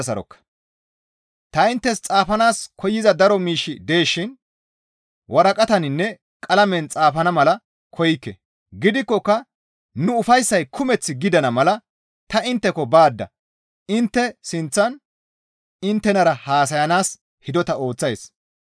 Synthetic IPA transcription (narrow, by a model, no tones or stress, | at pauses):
sɐɾɔ̰kːɐ̥ | t̪ɐɪnt̪ːɛst͡sʼaːfɐnaːskʰɔjːɪzɐd̪ɐɾɔmiːʃːɪd̪e̞ːʃːɪn | wʔɐɾɐkʼɐt̪ɐnɪnːɛ | kʼɐlɐmɛnt͡sʼaːfɐnɐmɐlɐ | kʰɔjɪkːɛ̰ | ɡɪd̪ɪkːɔkːɐ | nʊʊfɐjsːɐjkʰʊmɛt͡sːɪɡɪd̪ɐnɐmɐlɐ | t̪ɐɪnt̪ːɛkɔbaːd̪ːɐ̰ | ɪnt̪ːɛsɪnt͡sːɐn | ɪnt̪ːɛnɐɾɐhaːs̬ɐjɐnaːs | hɪd̪ɔt̪ɐo̞ːt͡sːɐjs